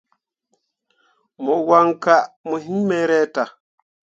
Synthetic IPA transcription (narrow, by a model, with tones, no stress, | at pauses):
mɔ˨wa˦ŋka˦˨mə˨ɦi˦mɛ˦ɾɛ˦ta˨